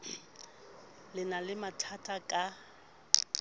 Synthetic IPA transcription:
lɪnalɪmatʰatʼakʼa

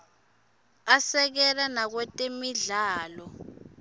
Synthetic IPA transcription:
asɛk̬ɛlanak̬wɛtʼemiɮaːlɔ

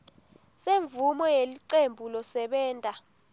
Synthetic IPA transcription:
seɱvumɔjeliǀembʱulɔsɛɓɛːntʼa

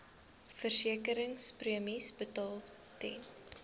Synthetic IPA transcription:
fərsiəkəɾəŋspriəmisbətɑːlˠ | tɛn

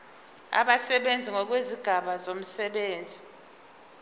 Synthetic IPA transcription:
a̰ɓasɛɓend͡zʱiŋɔk̬weziɡ̥ʱaɓazom̩sɛɓeːnd͡zʱi

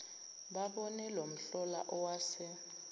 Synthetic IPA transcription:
ɓaɓɔnɛlom̩ɬɔlaʔɔwaːsɪ

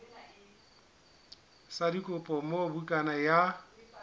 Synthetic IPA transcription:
sadikʼʊpʼɔmobukʼanaja

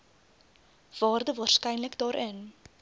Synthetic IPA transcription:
v̥ɑːrdəvɑːrskɛjnləkdɑːɾʔən

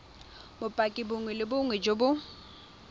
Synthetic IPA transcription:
bʊpʼakʼɪbʊŋwɛlɪbʊŋwɛd͡ʒobʊ

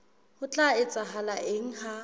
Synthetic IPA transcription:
hʊt͡ɬʼaɪt͡sʼaɦalaʔeŋ̩ha

